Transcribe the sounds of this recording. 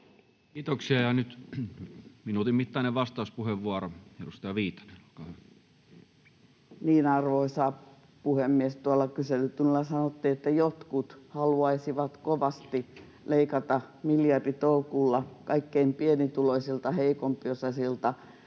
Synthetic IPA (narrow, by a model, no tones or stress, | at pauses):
kiːt̪oksiɑjɑnyt̪ | minuːt̪imit̪ːɑˑineʋʋɑst̪ɑˑuspuheʋʋuɑroedust̪ɑjɑʋiːt̪ːɑ̥neo̥lkɑhæ | niːnɑrʋoisɑː | puhemːiest̪uɑlːɑkyselːyt̪unlːɑsɑnot̪ːiːet̪ːæjot̪kut̪hɑluɑisiʋɑt̪koʋɑst̪i | leikɑt̪ɑmiljɑrdit̪oukulːɑkɑikːeimpienit̪uloisilt̪ɑheikompiosɑsilt̪ɑ